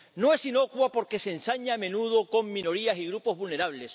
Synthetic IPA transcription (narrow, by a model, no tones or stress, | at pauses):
no̞e̞sino̞kwapo̞ɾke̞sensaɲaːmẽ̞nuð̞oko̞ŋmĩno̞ɾiasiɣɾupo̞zβulne̞ɾaβ̞le̞s